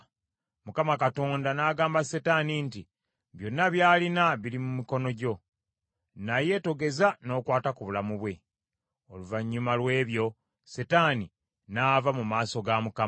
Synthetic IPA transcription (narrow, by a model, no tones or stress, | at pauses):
mukamakato̞ːndanaɡaːmbasetaninti | βjo̞nːaβjaːlinaβilimumiko̞no̞ɟo̞ | naje̞to̞ɡe̞zano̞ːkwaːtakuβulamuβwe̞ | oluvaɲːumalwe̞ːβjo̞ | setani | navamumaːso̞ɡamuka